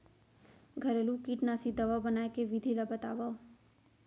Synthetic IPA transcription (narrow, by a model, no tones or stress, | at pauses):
ɡʱəɾelũkiʈnasid̪ɐʋabənaːjkeʋid̪ʱilabət̪a̰ːʋa